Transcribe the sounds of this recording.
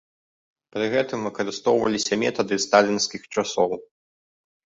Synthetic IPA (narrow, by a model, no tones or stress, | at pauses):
pɾɨɣɛt̪ɨmvɨkɐɾɨst̪ɔwvɐ̰lʲisʲɐmʲɛ̰t̪ɐd̪ɨst̪alʲinskʲixt͡ʂasɔw